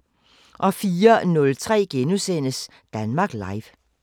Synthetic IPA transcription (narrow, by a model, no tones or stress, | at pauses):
ʔɒ̽fiːɐnɔ̽lt͡sʰʁɛ̰ːɡ̥enusen̰əs | d̥ænmɑ̈ːɡ̥lɑ̈ɪʋ